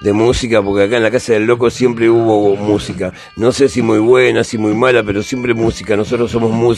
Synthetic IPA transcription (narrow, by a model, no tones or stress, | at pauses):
d̪e̞musikapo̞ɾkeakaenlakasaðe̞lːo̞ko̞sje̞mpɾeuβo̞musika | no̞sesimujβwenasimujmalape̞ɾo̞sje̞mpɾemusikano̞so̞t̪ɾosːo̞mo̞zmu